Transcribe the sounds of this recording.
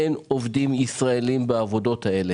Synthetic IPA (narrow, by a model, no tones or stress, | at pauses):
enovdimisʁaelimbeavo̞do̞thae̞le